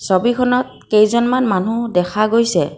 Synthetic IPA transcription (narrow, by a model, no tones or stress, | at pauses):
sobikʰɔnɔt̚kejzɔnmanmanudɛkʰaɡojsɛ̰